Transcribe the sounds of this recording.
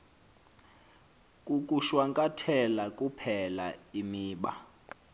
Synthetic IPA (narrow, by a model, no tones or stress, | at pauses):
kʼuk̬ʼuʃwaŋkʼatʰɛlakʼupʰɛla̰imiːɓa̰